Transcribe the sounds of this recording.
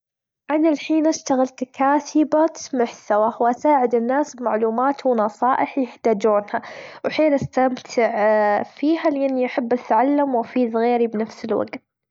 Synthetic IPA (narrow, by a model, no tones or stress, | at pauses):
ʕanɪlħiːnʔaʃt̪aɣalt̪kaːt̪ʰɪbamʊħsawawʔasaːʕɪd̪ɪnːaːsbmaʕluːmaːt̪wnɑsˤɑːʔɪħjɪħt̪ad͡ʒuːnhawħeːlʔast̪amt̪ʰɪʕfiːhalɪʔɪnːiʔaħabːat̪ʕalːamwafiːd̪ɣeːɾibnafsɪlwa̰ɡt̪̚